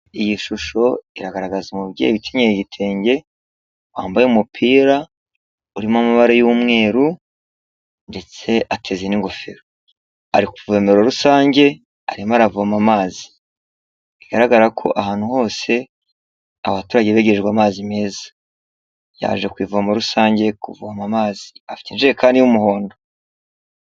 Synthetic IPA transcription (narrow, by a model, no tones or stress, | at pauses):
ijiʃuʃo̞iɾaɡaɾaɡazimuβɟḛβitʰeɲejeɟitʰe̞ːɲɟe̞ | waːmbajeumupʰiːɾa | uɾimamaβaɾajumŋe̞ːɾu | nde̞t͡se̞ʔatʰe̞ziniŋɡo̞feɾo | aɾikuveme̞ɾo̞ɾusaːɲɟe̞ | a̰ɾimaɾavuhamamaːzi̥ | iɡaɾaɡaɾakʰo̞̰ʔahaːnhuho̞ːse̞ | a̰βatuːɾaɟeβeɟeɾeʒɡwamaːzime̞ːzḁ | ja̰ːʒekwiːvuamoɾusaːɲɟe̞kuvuhamamaːzi̥afi̥tinʒijekaːndijumuho̞ːndo